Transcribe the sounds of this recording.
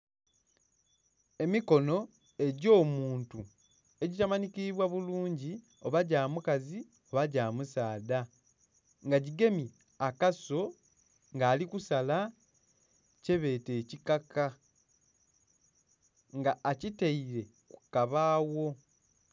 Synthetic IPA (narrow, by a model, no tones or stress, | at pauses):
e̞miko̞no̞ | e̞ɟo̞ːmuːntu | e̞ɟitamanikiβwaβuluːɲɟi | o̞βaɟaːmukazi | o̞βaɟaːmusaːda | ŋɡaɟiɡe̞mi | akaso̞ | ŋɡaːlikusala | ce̞βe̞ːte̞ːcikaka | ŋɡaːciteiɾe̞ | ku̥kaβaːwo̞